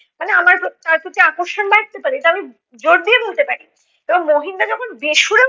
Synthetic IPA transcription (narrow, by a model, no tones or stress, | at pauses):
maneamaɾt̪aɾkot̪eakoɾʃonbak̚t̪epaɾeeʈuami | d͡ʑoɾd̪ijebolt̪epaɾi | eboŋmoɦind̪ad͡ʑɔkʰonbeʃuɾe